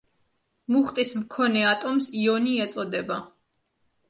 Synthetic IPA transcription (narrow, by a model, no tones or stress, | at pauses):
muχt̪ʼismkʰɔnɛat̪ʼɔmsiɔniɛt̪sʼɔd̪ɛba